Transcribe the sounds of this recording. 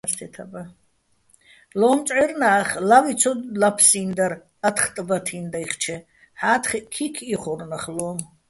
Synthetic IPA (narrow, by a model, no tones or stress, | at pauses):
st̪ʰɛt̪ʰaba | lɔːmt͡ʃʼʕɛɾnaːχlavit͡sʰɔlapʰsind̪aɾ | at̪ʰχt̪ʼbat̪ʰind̪aiχt͡ʃʰɛ | ħaːt̪ʰχikʰikʰiχɔrnaχlɔːm